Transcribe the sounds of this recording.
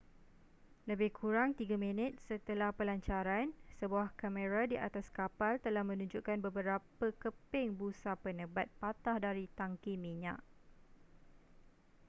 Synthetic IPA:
ləbɪhkʰuɾaŋt̪iɡamĩnət̪̚sət̪əlahpəlaɲt͡ʃaɾansəbuahkamə̃ɾadiʔa̰t̪askapalt̪əlahmə̃nũɲd͡ʒuʔkanbəbəɾapəkəpɪŋbusapənəbat̪̚pat̪ahdaɾit̪aŋkimĩɲa̰ʔ

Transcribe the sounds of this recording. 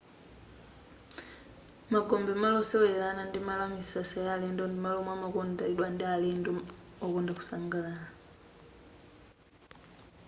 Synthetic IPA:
maɡombemalosewelanandimalamisasajaleːndondimalomwamakondailwandialendo | okoːndaku̥saːŋɡalala

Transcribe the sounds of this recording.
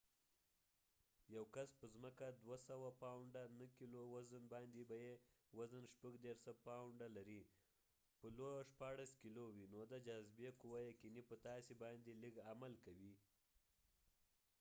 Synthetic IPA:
jawkaspəzməkad̪wasawapawɳɖanəkilowazənbɑnd̪ebaje | wazənʃpəɡd̪eɾsapawɳɖalaɾi | pəloʃpɑɽaskilowinod̪əd͡ʒazbekuwajakinipət̪ɑsibɑnd̪eliɡamalkawi

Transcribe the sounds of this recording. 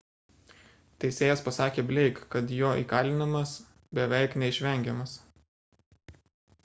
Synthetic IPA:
t̪ʲɛɪsʲeːjɛspɐsɑːkʲeːbʲlʲɛɪkkːɐt̪joːʔḭːkɑːlʲɪnɐmɐs | bʲɛʋʲɛɪknʲɛɪʃʲʋʲɛˑŋʲɡʲɛmɐs

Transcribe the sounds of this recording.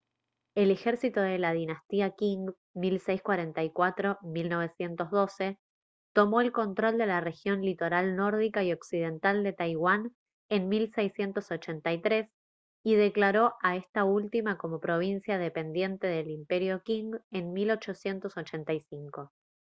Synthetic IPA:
e̞le̞xeɾsit̪oðe̞lað̞inast̪iakiŋɡ | milsejskwaɾe̞nt̪ajkwat̪ɾo̞milno̞β̞e̞sje̞nt̪o̞zðo̞se̞ | t̪o̞mo̞e̞lko̞nt̪ɾo̞ld̪e̞lare̞xjo̞nlit̪o̞ɾalno̞ɾð̞ikaio̞ksiðe̞nt̪ald̪e̞t̪ajɣwan | enmilsejsje̞nt̪o̞so̞t͡ʃe̞nt̪ajt̪ɾe̞s | ið̞e̞klaɾo̞ʔaest̪ault̪imako̞mo̞pɾo̞β̞insjað̞e̞pe̞nd̪je̞nt̪e̞ðelimpe̞ɾjo̞kiŋɡe̞nmilo̞t͡ʃo̞sje̞nt̪o̞so̞t͡ʃe̞nt̪ajsiŋko̞

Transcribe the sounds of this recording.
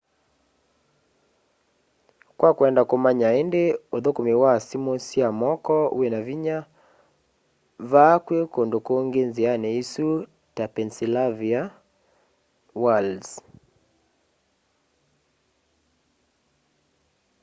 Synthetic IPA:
kwakuɛndakomaɲaendeoðokomewasimosiamɔkɔṵɛnaviɲa | vakwekondokooŋɡenzianɛisu | tapɛnsilavia | wal

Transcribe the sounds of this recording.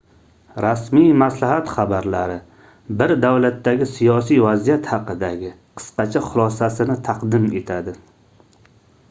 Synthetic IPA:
ɾasmijmaslaɦat̪χabaɾlaɾɪ | bɪɾd̪awlat̪ːaɡʲɪsijɒs̬ijvazijat̪hɑqɨd̪aɡʲɪ | qʰɨ̥sqɑt͡ʃʰaχʊlˠɒsasɪnɪt̪ʰɑqd̪ɪme̞t̪ʰad̪ɪ

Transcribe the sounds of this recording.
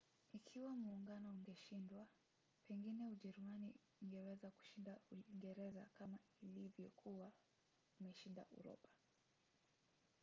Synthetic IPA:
ikʰiwamuːŋɡanɔuŋɡɛʃindwa | pɛŋɡinɛuʄɛɾumani | iŋɡɛwɛzaku̥ʃindauiŋɡɛɾɛza̰kamailivjɔkʰuwa | umɛʃinda̰ʔṵɾɔ̰pḁ

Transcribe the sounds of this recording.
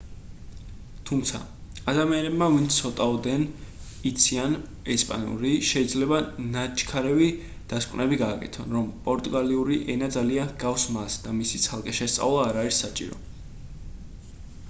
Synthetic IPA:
t̪ʰumt̪sʰa̰ad̪amianɛbmavint̪sʰɔt̪ʼavd̪ɛn | it̪sʰian | ɛspʼa̰nṵɾiʃɛid̪zlɛbanat͡ʃʰkʰaɾɛvi | d̪̥askʼvnɛbiɡaːkʼɛ̰t̪ʰɔnɾɔmpʼɔɾt̪ʼuɡaliuɾiʔɛnad̪zalianɡafsmasd̪amisit̪sʰalˠkʼɛʃɛst̪sʼa̰vlˠaːɾaisːat͡ʃʼḭɾɔ̰

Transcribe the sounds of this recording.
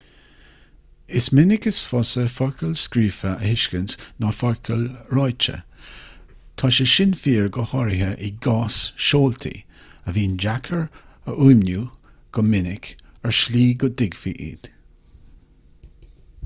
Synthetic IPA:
ɪsmɪnɪkəsfɔsəfɔɹkʰəlskɾiːfəʔəhɪʃkəntnɔfɔɹkʰəlɹɔjt͡ʃə̰ | t̪ʰɔʃəʃɪnfiːɹɡəhɔɹɪɦəʔɪɡɑːsʃoːlt̪ʰḭ | əviːnd͡ʒakʰəɹəʔuːmnju | ɡ̥ɔmɪnɪkəɹʃliːɡʊdɪɡfḭʔḭːd̪̥

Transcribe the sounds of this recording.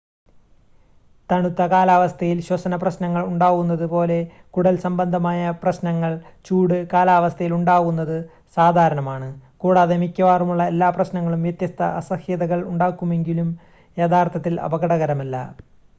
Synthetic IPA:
t̪ɐɳut̪ːɐkaːlaːʋɐst̪ʰɐjilɕwɐsɐnɐprɐɕnɐŋːɐɭuɳɖaːɣunːɐðɨpo̞ːle̞ | kuɽɐlsɐmbɐnd̪ʱɐmaːjɐprɐɕnɐŋːɐɭt͡ɕuːɽɨkaːlaːʋɐst̪ʰɐjiluɳɖaːɣunːɐðɨ | saːd̪ʱaːɾɐɳɐmaːɳɨkuːɽaːðe̞mikʲːɐʋaːrumuɭːɐelːaːprɐɕnɐŋːɐɭumʋjɐt̪jɐst̪ʰɐ̰ʔɐsɐhjɐðɐɣɐɭuɳɖaːkːume̞ŋɡilum | e̞ːd̪ʰaːrt̪ʰɐt̪ːilɐ̰bɐɣɐɽɐɣɐɾɐmɐlːɐ̰

